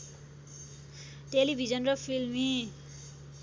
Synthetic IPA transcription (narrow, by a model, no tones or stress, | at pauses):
ʈelibʱid͡zʌnrʌpʰilmi